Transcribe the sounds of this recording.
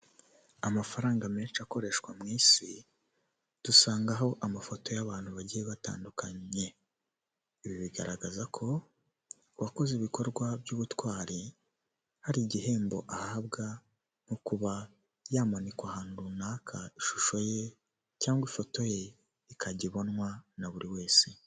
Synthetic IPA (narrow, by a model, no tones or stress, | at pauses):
amafaɾaːŋɡame̞ːt͡ʃako̞ɾe̞ːʃkwamŋiːsi | d̥usaːŋɡaɦo̞ʔamafoto̞jaβaːn̥huβaɟijeβata̰ːndukaɲe̞ | iβiβiɡa̰ɾaɡazakʰo̞ | βako̞ziβiko̞ɾɡwabjuːβutwaːɾi | haɾiɟiɦe̞ːmbo̞̰ʔahaːβɡa | nukuβa | jaːmanikwahaːnuunaːkʰaiʃu̥ʃo̞je̞ | caːŋɡwifo̞to̞je̞ | ikʰaɟiβo̞nŋwanaβuɾiwe̞ːse